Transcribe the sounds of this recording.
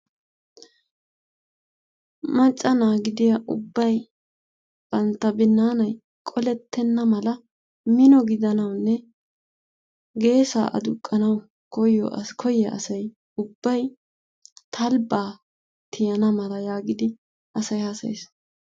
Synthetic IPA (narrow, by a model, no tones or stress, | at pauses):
mɐt͡ʃʼːɐnaːɡɪd̪ɪjɐʔʊ̰bːɐj | b̥ɐnt̪ːɐbɪnːaːnɐj | kʼɔlɛt̪ːɛnːɐmɐlɐ | mɪnɔɡɪd̪ɐnɐwnːɛ | ɡe̞ːsa̰ːʔɐ̰d̪ʊkʼːɐnɐw | kɔjɔ̰kʰɔjːɛʔɐ̰sɐj | ʊbːɐj | t̪ʰɐlbaː | t̪ʰɪjɐnɐmɐlɐjaːɡɪd̪ɪ | ʔɐsɐjhɐsɐḛːs